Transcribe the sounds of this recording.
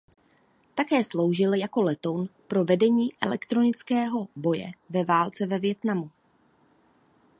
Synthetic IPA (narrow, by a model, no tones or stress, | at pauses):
t̪akɛːslo̞wʒɪljako̞lɛt̪o̞wnpɾo̞vɛdɛɲiːʔɛ̰lɛ̰kt̪ɾo̞nɪt͡skɛːɦo̞bo̞jɛ̰vɛvaːlt͡sɛvɛvjɛt̪namu